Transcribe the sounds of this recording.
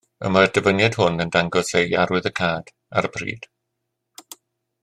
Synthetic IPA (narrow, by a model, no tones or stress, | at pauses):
ə̰mard̥əvənjad̥hʊnəndaŋɡɔsejaɾwɨðəkʰaːd̥ | a̰ɾəbrḭːd̥